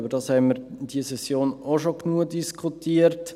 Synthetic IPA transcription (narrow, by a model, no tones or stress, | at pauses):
bəɾdɑːshɛɪməɾd̥iəsɛsjoːnoʃoknuədiskʰutiːəɾt